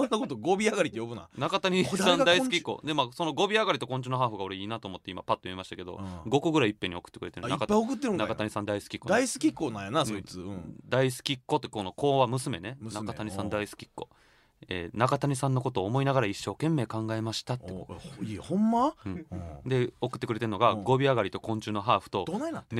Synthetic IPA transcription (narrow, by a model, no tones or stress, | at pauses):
sõnːakot̪oɡobʲiaɡaɾit̪ːejobɯ̟na̰nakat̪aɲisãnd̪aisɨ̥kʲikːo̰d̪e̞maːso̞no̞ɡo̞bʲiaɡaɾʲit̪o̞kõ̞ɲ̟t͡ɕinoɦaːɸoɡao̞ɾe̞iːnat̪oːmo̞t̪ːe̞imapat̪ːojɯimaɕi̥t̪ake̞d̪o̞̰ɡo̞koɡɯ̟ɾaiːipːeɲ̟ːio̞kɯ̥t̪ːekɯɾet̪eɾnaikapːaiokɯ̟t̪ːeɾɯ̃ŋnakat̪aɲ̟isãnd̪aisɨ̥kʲi̥kod̪aisɨ̥kʲikːoːnãjanasoit͡sɨɯ̃d̪aisɨ̥kʲikːot̪ːekono̞ko̞ːβamɯ̟sɨme̞ne̞nakat̪aɲisãnd̪aisɨ̥kʲi̥kːo̞̰ | ḛːnakat̪aɲ̟isãnːo̞ko̞t̪o̞ːmo̞inaɡaɾaiɕːo̞ːkẽ̞mːe̞ːkãŋɡae̞maɕi̥t̪at̪eoihõmːaɯ̟̃ɴd̪e̞o̞kɯt̪ːekɯɾe̞t̪eɯ̟no̞ɡaɡo̞bʲiaɡaɾit̪o̞kõ̞ɲ̟t͡ɕɨːnoɦaːɸɯ̟̥t̪o̞d̪onaa